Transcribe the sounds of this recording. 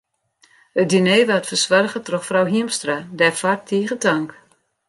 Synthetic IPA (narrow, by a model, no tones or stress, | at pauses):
hət̚dineːʋatfərsʋarɣətrɔxfrawɦiəmstradɛfartʰːiːɣətaŋk